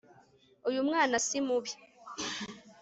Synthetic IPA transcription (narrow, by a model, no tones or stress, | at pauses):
ujumŋaːnasimuβi